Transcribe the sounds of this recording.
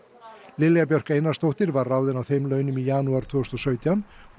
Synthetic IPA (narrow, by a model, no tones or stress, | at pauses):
lɪljap̬jœr̥keːjnast̪owht̪ɪɾvaɾːawðɪnawθejmlœːɥnʏmijaːnuaɾ̥t̪ʰvʏːst̪ɔsœːɥt̪jan